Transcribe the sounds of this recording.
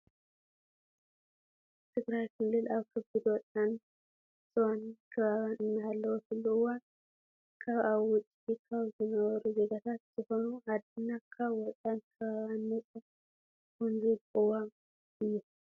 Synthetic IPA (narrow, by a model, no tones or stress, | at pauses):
t̪ʰɨɡɾajkʰɨlːɨlaβkʰɨbɨd̪wɔt̪ʼan | z̥ʼɨwankʰɐβaβanɨnːaalːɐwokʰɨlːuɨwan | kʰaβaβwʊt͡sʼikʰaβzɨnɐβɐɾuze̞ɡat̪ʰat̪z̥ɨxonuad̪ɨnːakʰaβwɔt̪ʼankʰɐβaanːɐtʼ | kunzilʔɨwam | ɨjːu